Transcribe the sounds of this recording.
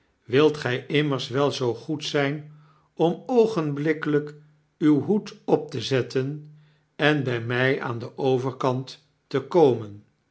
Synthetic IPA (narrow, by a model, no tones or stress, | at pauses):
ʋɪlˠtχɛjʔɪmərsʋɛlˠzowχutsɛjn | ɔmowχənblɪkələk | ywɦutɔp̚təzɛtən | ɛnbɛjmɛja̰ːndəʔowvəɹkɑntː | əkowmən